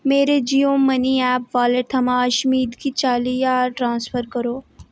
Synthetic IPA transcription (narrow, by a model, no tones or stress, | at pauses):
meːɾed͡ʒijõmɐniɛːpʋaːlet̪ʰɐmãɐʃmiːd̪kit͡ʃaːlijaːʈɾãːnspʰəɾkəɾoː